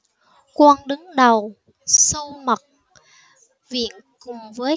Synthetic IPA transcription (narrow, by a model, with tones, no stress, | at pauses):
kwaː˧nɗɨ˨˦ŋɗə˨˩w | sə˧wmə˨˩t̚ | vḭ˧˨ən | kʊ˨˩ŋ͡mvəː˨˦j